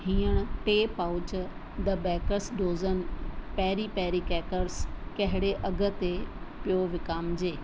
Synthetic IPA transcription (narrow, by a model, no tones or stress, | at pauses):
ɦĩːəɽ̃ʈeːpaʊt͡ɕ | d̪ɐbɛːkəɾsɖoːzənpɛːɾipɛːɾikɛːkəɾskɐɦɪɽeʔɐɡʱə̆t̪e | pijoʋɪkaːmd͡ʑeː